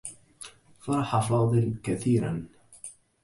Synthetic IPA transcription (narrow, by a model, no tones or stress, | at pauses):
fɑɾˤɑħafɑːd̪ˤɨlkaθiːɾa̰n